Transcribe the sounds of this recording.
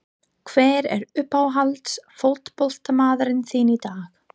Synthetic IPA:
kʰvɛːɾɛ̰ɾʏpawɦalt̪sfow̪̥t̪pɔl̥t̪amaːðaɾɪnθiːnit̪aːx

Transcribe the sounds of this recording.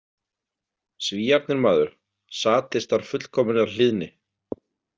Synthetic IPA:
sviːjaɾt̪nɪɾmaːðʏɾ̥ | saːt̪ɪst̪aɾ̥fʏt̪l̥kʰɔːmɪnaɾl̥ɪðnɪ

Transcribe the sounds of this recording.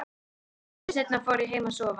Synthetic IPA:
sɛt̪nafɔːɾiɦejmasɔːva

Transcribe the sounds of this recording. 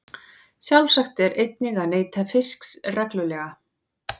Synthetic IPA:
sjawlsaxt̪ɛɾejt̪nɪɣaneːjt̪ʰafɪsksrɛklʏlɛːɣa

